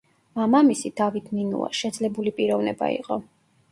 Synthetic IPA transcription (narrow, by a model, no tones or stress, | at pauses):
mamamisid̪̥avit̪ʰninṵa̰ʃɛd̪zlɛbulipʼiɾɔvnɛba̰ḭqʼɔ